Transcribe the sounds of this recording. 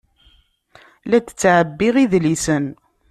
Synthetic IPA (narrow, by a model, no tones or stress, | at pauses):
læt͡sə̥t͡sːʕəbːiʁiðlisən